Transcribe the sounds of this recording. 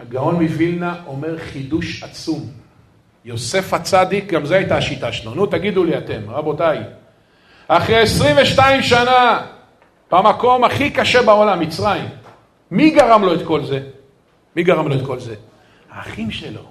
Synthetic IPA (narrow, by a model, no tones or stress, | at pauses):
aɡao̞nmivilnaʔo̞meʁχid̪uʃat͡sum | jo̞se̞fat͡sad̪ik̚ɡamzeajtaːʃitaʃlonut̪aɡid̪uliate̞mʁabo̞taj | aχʁeesʁiɱveʃtaimʃana | b̥amako̞maχikaʃe̞baolamːit͡sʁaimː | iɡaʁamlo̞et̪ko̞lze̞ | miɡaʁamlo̞et̪̚ko̞lze̞ | haːχimʃelo̞̰